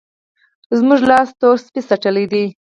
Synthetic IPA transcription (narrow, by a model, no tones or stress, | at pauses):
zmuʒlɑst̪oɾspisaʈəlid̪i